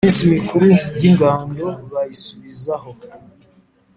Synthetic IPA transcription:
insimikʰuɾujiŋɡaːndoβajisuβizaɦo

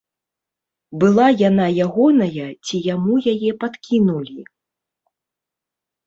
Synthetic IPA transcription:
bɨlˠajanajaɣɔnɐjɐt͡sʲijamujajɛpat̪kʲinulʲi

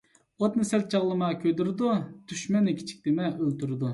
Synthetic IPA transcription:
ot̪nɨsɛlt̪̚t͡ʃʰɑʁlˠɨmɑkʲʰøjd̪yɾɨd̪ut̪yʃmɛnɪkʲʰi̥t͡ʃʰi̥k̚ʲt̪ɪmɛʔølt̪uɾɨd̪u

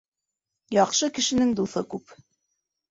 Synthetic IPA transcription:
jɑqʃɤkɘ̆ʃɘ̆nɘŋd̪uθɤkʉp

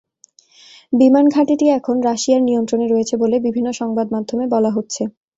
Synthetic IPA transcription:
bimanɡʱaʈiʈiɛkʰonɾaʃiaɾnijont̪ɾoneɾoet͡ɕʰebolebibʱinːoʃɔŋbad̪mad̪ʱomebɔlaɦotːɕʰe

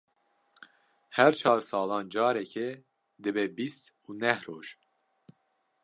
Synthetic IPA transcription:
hɛɾt͡ʃʰɑːɾsɑːlɑːnd͡ʒɑːɾɛkʰɛ | d̪ɨbɛːbist̪uːnɛhɾoːʒ

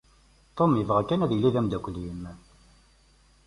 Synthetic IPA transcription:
t̪ˤomjəvʁakːænæðjəlːiðæmd̪ækʷlim

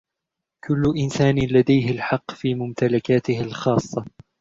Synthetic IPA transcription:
kʊlːʊʔɪnsaːnɪlad̪ajɦɪlħɑqːfiːmʊmt̪alakaːt̪ɪhɪlxɑːsˤːɑ

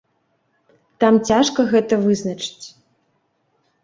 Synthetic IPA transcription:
t̪amt͡sʲaʂkɐɣɛt̪ɐvɨznɐt͡ʂɨ̥t͡sʲ

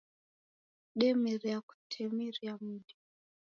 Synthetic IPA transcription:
ɗɛmiɾiaku̥tʰɛmiɾiamuɗi

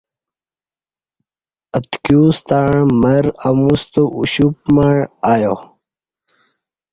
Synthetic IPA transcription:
ət̪kjust̪aɳmɐɾamust̪əṵɕup̚maɳaːjo

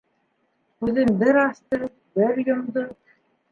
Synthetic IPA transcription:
kʉðɘnbɘɾɑst̪ɤ | bɘɾjɤ̆md̪ɤ

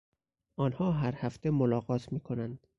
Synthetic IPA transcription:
ɒːnhɒːɦæɾhæft̪ʰemolɒːɣɒːt̪ʰmiːkʰonænd̪̥

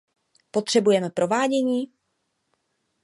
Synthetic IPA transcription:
po̞t̪r̥ɛbujɛmɛpɾʔo̞vaːɟɛɲiː

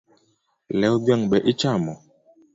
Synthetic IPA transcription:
lɛɔbaŋbɛʔit͡ʃamɔ

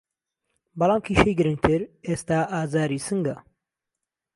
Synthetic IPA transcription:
bɐlˠɑːmkʰiːʃejɡɨɾɨŋ̚t̪ʰɨɾeːst̪aːʔaːzaːɾiːsɨŋɡɐ

